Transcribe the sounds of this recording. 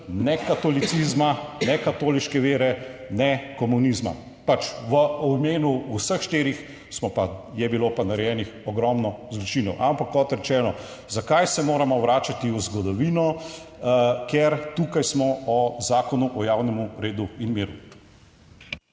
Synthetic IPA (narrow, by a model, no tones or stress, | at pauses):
nɛkat̪ɔlit̪sizmanɛkat̪oːliʃkɛʋeːɾɛnɛkɔmunizma̰ | pat͡ʃʋəɔmeːnuusəxʃt̪eːɾix | smɔpajɛbilopanaɾɛjɛːnixɔɡɾɔmnɔzlɔt͡ʃinɔwʔampakːɔt̪ɾɛt͡ʃɛːnɔ | zakajsɛmoːɾamɔʋɾaːt͡ʃat̪iuzɡɔd̪ɔʋiːnɔ | keɾt̪uːkajsmɔɔzaːkɔnuʔɔjawnɛmuɾeːd̪uinmiːɾu